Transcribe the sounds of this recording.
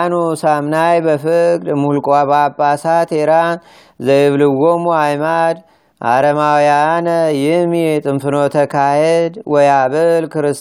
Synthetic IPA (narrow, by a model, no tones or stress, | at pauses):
nusamnajbəfɨkʼd̪muhlkʼababʼːasat̪ʰeɾan | zəjβlɨwːomuajmad̪ | ʔa̰ɾəmawjanəjɪhmjɛt̪ʼɨmfɨno̞t̪ʰəkʰahed̪wɔjaβɨlkʰɨɾɨs